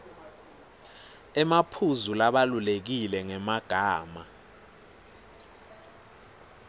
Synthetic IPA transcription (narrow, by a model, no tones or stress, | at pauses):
ɛmapʰuzulaɓalulek̬ilɛŋɛmaɡ̥ʱaːma